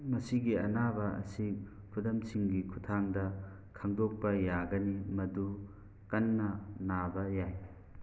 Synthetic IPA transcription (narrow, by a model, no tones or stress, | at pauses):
mɐsiɡiɐnabɐɐ̰si | pʰudɐmsiŋɡikʰu̥tʰaŋdɐ | kʰɐŋdok̚pɐjaɡɐnimɐdu | kɐnːɐnabɐjaj